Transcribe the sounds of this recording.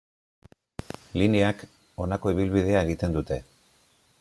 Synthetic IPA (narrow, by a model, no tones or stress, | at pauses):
lineak | o̞nako̞iβ̞ilβið̞e̞ae̞ɣ̞it̪e̞nd̪ut̪e̞